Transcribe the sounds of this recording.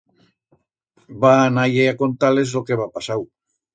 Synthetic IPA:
banajeako̞nt̪alezo̞keβapasaw

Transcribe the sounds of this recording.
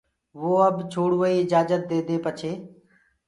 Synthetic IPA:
ʋoːəbt͡ʃʰoːɽʋəiːɪd͡ʒaːd͡ʒət̪̚d̪eːd̪eːpət͡ʃʰeː

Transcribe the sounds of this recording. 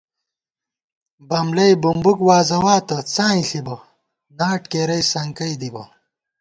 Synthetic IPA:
bɐmlɐjbumbukwaːzɐwaːt̪ɐt͡sãːĩɬibɐ | naːʈkeːɾɐjsɐŋkɐjd̪ibɐ

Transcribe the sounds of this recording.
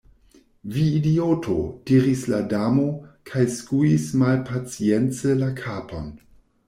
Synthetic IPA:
viːdiotʰo̰d̥iɾisladamokʰajskuismalpʰat͡sient͡səlakʰapo̞n

